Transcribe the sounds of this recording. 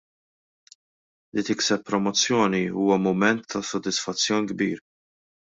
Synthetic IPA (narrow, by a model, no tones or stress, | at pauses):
lit̪ɪksɛpːɾɔmɔt͡sːjɔːniuːwɐmʊmɛnt̪ʰːɐsɔd̪ɪsfɐt͡sːjɔːniɡbiːɾ